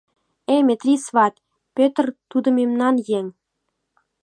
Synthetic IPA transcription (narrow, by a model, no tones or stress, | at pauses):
emʲet̪rʲisvɑt̪ʲ | pʲøt̪rt̪ud̪ə̆memnɑnjeŋ